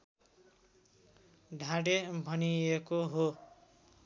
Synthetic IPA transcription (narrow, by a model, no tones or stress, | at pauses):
ɖʱãɽebʱʌniekoɦo